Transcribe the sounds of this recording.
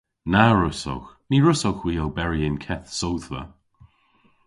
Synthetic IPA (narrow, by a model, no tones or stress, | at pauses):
naɹʊso̰wx | niːɹʊsowxwiːowbɛɹiɪnkʰɛθsowðvə̰